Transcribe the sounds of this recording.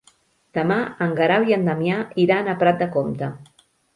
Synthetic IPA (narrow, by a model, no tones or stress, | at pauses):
d̪̥əmaəŋɡəɾawiənd̪əmjaiɾanəpɾat̪̚d̪əkomt̪ə